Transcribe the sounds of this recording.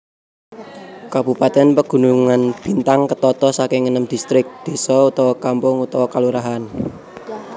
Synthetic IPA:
kab̥upat̪ɛnpəɡ̥ṳnuŋanb̥i̤nt̪aŋkət̪ɔt̪ɔsakɪŋːənəmd̪̥ist̪ɾɪk̚d̪̥e̤sɔut̪ɔwɔkampʊŋut̪ɔwɔkaluɾaɦan

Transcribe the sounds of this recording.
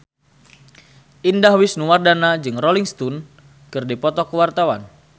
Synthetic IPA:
ʔindahwɪsnuwardanad͡ʒɨŋrɔliŋst̪un | kɨrdipɔt̪ɔkəwart̪awan

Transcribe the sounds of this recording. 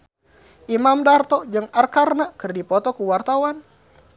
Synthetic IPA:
ʔimamdart̪ɔd͡ʒɨŋarkarnakɨrdipɔt̪ɔkuwart̪awan

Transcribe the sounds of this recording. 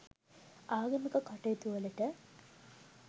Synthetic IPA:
aːɡɐmikɐkɐʈet̪uʋɐlɐʈə

